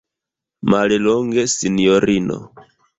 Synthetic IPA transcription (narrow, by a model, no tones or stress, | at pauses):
maliloŋɡesinijoɾino̰